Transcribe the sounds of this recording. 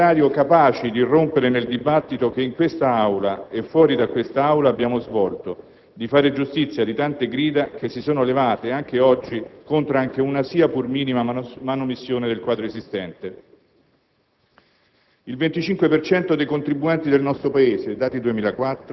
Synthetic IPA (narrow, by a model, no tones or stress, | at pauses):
aːɾjokapaːt͡ʃid̪irːompeɾeneld̪ibat̪ːit̪ok̟eiŋkwest̪aawlaefːwɔːɾid̪akwest̪aawlaːbːjaːmozvɔlt̪o | d̪ifaːɾed͡ʒust̪it̪sːjad̪it̪ant̪eɡɾiːd̪akesːisoːnolevaːt̪eaŋk̟eɔd͡ʒːikont̪ɾoaŋk̟eunasiːapurmiːnimamanomisːjoːned̪elkwaːd̪ɾoezist̪ɛnt̪e | ilvent̪it͡ʃiŋkwepert͡ʃɛnt̪od̪ejkont̪ɾibuɛnt̪id̪elnɔst̪ɾopaeːzed̪aːt̪id̪uemiːlakwat̪ːɾ